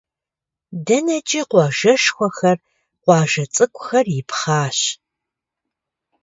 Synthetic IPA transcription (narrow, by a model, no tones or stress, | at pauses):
dɐnɐt͡ʃʼiqʷɑːʒɐʃxʷɔxɐr | qʷɑːʒɐt͡sʼɨkʷʼxɐrjɪpʰχɑːɕ